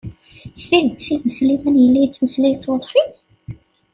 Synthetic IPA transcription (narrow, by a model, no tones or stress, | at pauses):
sθiðt͡sːiməθlimænjəlːijt͡sːməslæjt͡sːwəðˤfi